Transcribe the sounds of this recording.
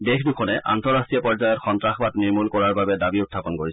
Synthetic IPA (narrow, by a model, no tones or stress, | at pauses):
dexdukʰɔnɛʔa̰ntɔɹastɹijɔpɔɹzajɔtxɔntɹaxbatniɹmulkɔɹaɹbabɛdabiʊtʰːapɔnkoɹis